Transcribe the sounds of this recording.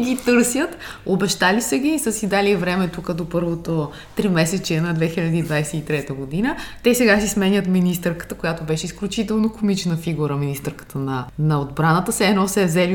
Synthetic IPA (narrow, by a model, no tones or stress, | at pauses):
ɡʲit̪ɤɾsjət̪ | obɛʃt̪alisəɡʲisəsid̪aliɛvɾɛmɛt̪ukəd̪opɤɾvot̪o | t̪ɾimɛsɛt͡ʃɛnɐd̪vɛxilʲɐd̪iːd̪vajsɛit̪ɾɛt̪əɡod̪inət̪ɛsɛɡasismɛnʲjət̪minist̪ɛɾkə̥t̪əkojat̪obɛʃɛisklʲut͡ʃit̪ɛlˠnokomit͡ʃnəfiɡuɾəminist̪ɛɾkə̥t̪ʰənɐnɐod̪bɾanət̪əsɛɛnɔsɛvzɛli